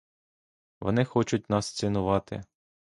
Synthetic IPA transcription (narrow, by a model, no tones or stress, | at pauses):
ʋɔ̰nɪxɔt͡ʃʊt̚ʲnɑst͡ssʲɪnʊʋɑt̪ɪ̰